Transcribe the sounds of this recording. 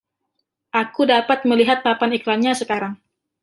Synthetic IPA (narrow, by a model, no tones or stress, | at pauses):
ʔakudapat̪̚məliɦat̪̚papaniklamɲasəkaɾaŋ